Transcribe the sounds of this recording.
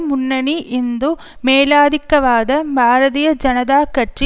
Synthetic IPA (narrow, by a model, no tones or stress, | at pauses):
munːɐɳiʔind̪u | meːlaːd̪ʱikːɐʋaːd̪ɐbʱaːɾɐðijɐd͡ʒɐnɐd̪aːkɐʈri